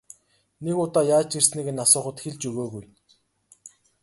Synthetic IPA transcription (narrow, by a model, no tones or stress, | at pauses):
nekʊt̪aːjaːt͡ɕirsniːɣĕnasʊːχə̆t̪xeɮt͡ɕɵɣoːɣuj